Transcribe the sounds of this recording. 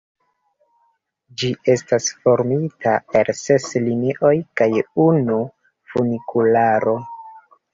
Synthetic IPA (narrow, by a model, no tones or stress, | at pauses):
d͡ʒiʔe̞stasfo̞ɾmitae̞lse̞sliniʔo̞jkajunu | funikʰulaɾo̞